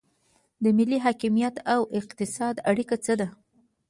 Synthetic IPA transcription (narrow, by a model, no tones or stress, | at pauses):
d̪əmɪlːiɦɑkimijat̪awɪqt̪ɪsɑd̪aɽikat͡səd̪a